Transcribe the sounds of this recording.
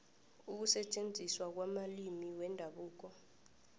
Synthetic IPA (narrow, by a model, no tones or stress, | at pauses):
uk̬usɛt͡ʃʼend͡zʱiswak̬wamalimiwɛndʱaɓuːk̬ɔ